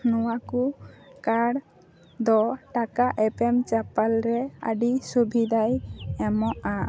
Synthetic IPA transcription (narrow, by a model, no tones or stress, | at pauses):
nuwakukaɽ | d̪ɔʈakaʔɛpɛmt͡ʃapalɾɛa̰ɖisubʱid̪ajɛmɔʔa